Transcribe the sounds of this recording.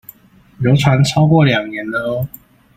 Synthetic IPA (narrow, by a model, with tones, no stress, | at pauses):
jo˨˥ʊt͡sʰwa˨˧˥nt͡sʰɑ˥ʊkwɔ˥˩ljɑ˨˩ŋnjɛ˨˦nlə˧